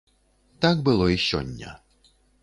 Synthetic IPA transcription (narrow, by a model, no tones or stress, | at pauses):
t̪ak̚bɨlˠɔiɕɔ̰nʲːɐ̰